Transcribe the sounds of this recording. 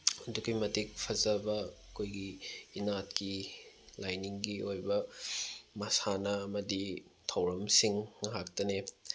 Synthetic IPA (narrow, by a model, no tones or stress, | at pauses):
ɐdukimɐtik̚pʰɐzɐbɐkʰojɡiːnat̚ki | lajniŋɡiʔojbɐ | mɐsanɐːmɐditʰɐwɾɐmsiŋŋɐɦak̚tɐne